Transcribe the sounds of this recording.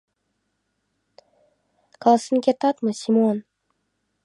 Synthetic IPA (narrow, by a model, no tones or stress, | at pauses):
kʰalˠasɨnkʲet̪at̪mɨsʲimon